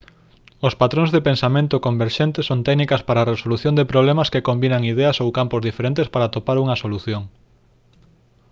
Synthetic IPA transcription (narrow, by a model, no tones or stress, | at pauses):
ospat̪ɾõŋzðepensamẽnt̪okombeɾʃent̪esont̪ɛknikɐspaɾaːresoluθjõnd̪epɾoβ̞lemɐskekombinɐŋiðɛɐsowkampozðifeɾẽnt̪espaɾat̪opaɾuŋɐsoluθjoŋ